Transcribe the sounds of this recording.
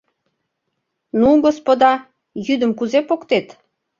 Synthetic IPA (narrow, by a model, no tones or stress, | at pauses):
nuɡospod̪ɑ | jyd̪əmkuzepokt̪et̪